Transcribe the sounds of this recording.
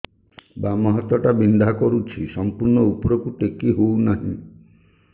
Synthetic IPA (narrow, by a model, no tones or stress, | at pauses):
bamɔɦɔt̪ɔʈabind̪ʱakɔɾut͡ʃʰisɔmpuɾɳɔupɔɾɔkuʈekiɦounaɦḭ̃